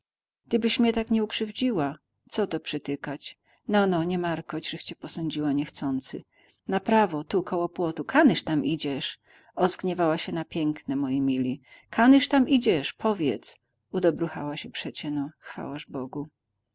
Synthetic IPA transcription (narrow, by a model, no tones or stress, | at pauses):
ɡ̥̚d̪ɘbɘɕmɲɛt̪akɲɛukʂɘvd͡ʑiwa | t̪sɔt̪ɔpʂɘt̪ɘkat͡ɕ | nɔnɔɲɛmaɾkɔt͡ɕʐɘxt͡ɕɛpɔsɔɲd͡ʑiwaɲɛxt̪sɔnt̪sɨ̰ | napɾavɔt̪ukɔwɔpwɔt̪ukʰanɘʂt̪amʔid͡ʑɛʂ | ɔzɡɲɛvawaɕɛnapʲjɛŋknɛmɔjɛmʲilʲi | kʰanɘʂt̪amʔid͡ʑɛʂpʰɔvʲjɛ̰t̪s | ud̪ɔbɾuxa̰waɕɛpʂɛt͡ɕɛnɔxfa̰waʐbɔɡu